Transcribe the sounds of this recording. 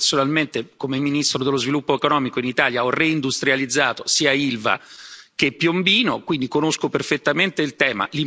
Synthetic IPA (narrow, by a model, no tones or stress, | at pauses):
sonalment̪ekomeminist̪ɾod̪elːozvilupːoekonɔːmikoinit̪aːljaɔreind̪ust̪ɾjalid̪zːaːt̪osiːailva̰k̟epːjombiːnokwind̪ikonoskoperfet̪ːament̪eilt̪ɛːma̰li